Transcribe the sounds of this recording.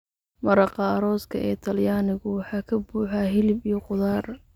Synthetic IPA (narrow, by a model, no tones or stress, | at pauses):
mɐɾɑqɑːɾɔːskʰɐ̰ʔɛːt̪ʰɐljaːnɪɣʊwɑħɑːkʰɐbuːħaɦɪlɪbijɔqʊðaːr